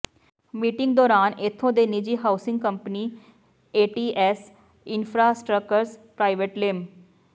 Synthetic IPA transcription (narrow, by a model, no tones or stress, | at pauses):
miːʈɪŋɡ̚d̪ɔːɾaːnɪt̪ʰːõːd̪eːnɪd͡ʒiːɦaːʊsɪŋɡ̚kəmpniː | eːʈiːʔɛːs | ɪnpʰɾaːsʈɾəkːəɾspɾaːɪʋeʈlɪm